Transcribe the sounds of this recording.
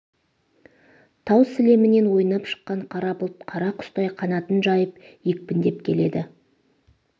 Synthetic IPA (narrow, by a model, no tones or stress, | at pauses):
t̪ʰɑwsɪle̞mɪne̞nwo̞jənɑpʃə̥qːɑɴqʰɑɾɑpʊlˠəp̪̚qʰɑɾɑqʰʊ̥st̪ɑjqʰɑnɑt̪ənʒɑjəp | jek̚pɪnd̪e̞pkʲʰe̞le̞d̪ɪ